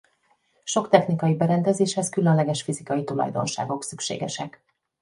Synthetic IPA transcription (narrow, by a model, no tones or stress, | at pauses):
ʃo̞kt̪ɛxnikɒjibɛɾɛnd̪ɛzeːʃhɛskylønlɛɡɛʃfizikɒjit̪ulɒ̰jd̪o̞̰nʃa̰ːɡo̞ksykʃḛːɡɛ̰ʃɛk